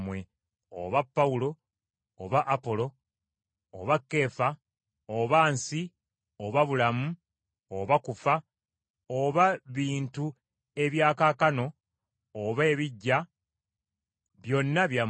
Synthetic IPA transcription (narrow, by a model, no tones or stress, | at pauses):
mwe̞ | o̰βapːaulo̞ː | βaʔːpo̞lo̞̰ː | βakːe̞ːfa | oβaːnsi | oβaβulamu | oβakufa | oβaβiːntu | e̞βjaːkaːkano̞ː | βe̞ːβiɟːa | βjo̞nːaβja